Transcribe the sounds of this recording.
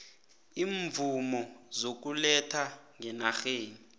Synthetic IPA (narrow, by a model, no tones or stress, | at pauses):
iːɱvumɔzok̬ulɛtʰaŋɛnaxeːni